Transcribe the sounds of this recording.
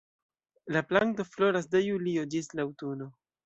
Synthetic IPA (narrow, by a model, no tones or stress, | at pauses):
laplaŋto̞flo̞ɾas̬dejuliod͡ʒislawtuno̞